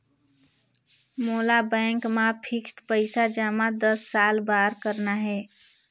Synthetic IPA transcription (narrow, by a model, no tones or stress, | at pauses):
molabɛ̃ŋkmapʰiksʈpəɪsad͡ʒamãd̪əsːalbaɾkəɾnaɦɛ